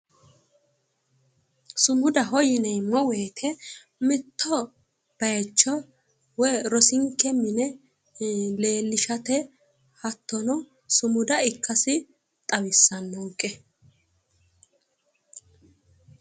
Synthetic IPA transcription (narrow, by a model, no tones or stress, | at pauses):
sʊmʊd̪ɐɦɔjɪnɛjmːɔweːt̪ʰɛ | mɪt̪ːɔ | b̥ɐjt͡ʃːɔ | wɛjɾɔsɪŋkːɛmɪnɛ | le̞ːlːɪʃɐt̪ɛ | hɐt̪ːɔnɔ | sʊmʊd̪ɐɪkːɐsɪ | t̪ʼɐwɪsːɐnːɔŋkʼːɛ